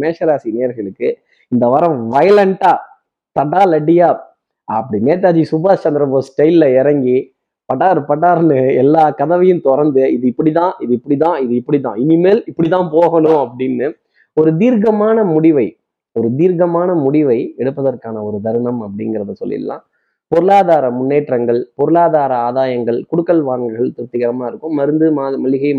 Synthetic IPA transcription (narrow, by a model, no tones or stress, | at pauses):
meːʂɐɾaːsineːɐɾɣɐɭɯkːɯ | ɪnd̪ɐʋɐɾɐ̃ʋɐjɐlɐɳʈaː | t̪ɐɽaːlɐɖɪjaː | ɐpːɐɽineːt̪ːaːd͡ʒisʊbaːt͡ʃɐnd̪ɪɾɐboːsʈɐɪlːɐɛɾɐŋɡi | pɐʈːaːɾɯpɐʈ̬ːaːɾnɯɛlːaːkɐðɐʋɐjɯ̃mt̪ɔɾɐnd̪ɯɪðɯɪpːɐɽit̪ãːʔɪðɪpːɐɽit̪ãːɪðɯɪpːɐɽit̪ãːɪnimeːlɪpːɐɽit̪ãːpoːɣɐnʊ̃ɐpːɐɽɪnːɯ | ɔɾɯd̪iːɾɣɐmaːnɐmʊɽɪʋɐɪ | ɔɾɯd̪iːɾɣɐmaːnɐmʊɽɪʋɐɪɛɽɯpːɐðɐrkaːnɐɔɾɯd̪ɐɾɯnɐmɐpːɐɽɪŋɡɪɾɐðɯsɔ̰lːɪ̰lːã̰ː | pɔɾɯlaːðaːɾɐmʊnːeːʈrɐŋɡɐɭpɔɾɯlaːðaːɾɐaːðaːjɐŋɡɐɭkʊɽɯkːɐlʋaːŋɡɐɪɣɐɭt̪ʊt̪ːɪɣɐɾɐmaːɪɾɯkːɯmːɐɾɯnd̪ɯmaːðmɐlɪɣɐɪ